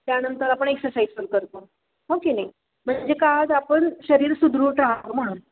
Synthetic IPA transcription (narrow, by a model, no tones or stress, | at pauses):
t̪janənt̪əɾapəɳeksəɾsajsfəlkəɾt̪o | ɦokenaj | m̤əɳd͡ʑekad͡zapəɳɕəɾiːɾsud̪ɾuːʈaɦaʋm̤əɽ̃uːn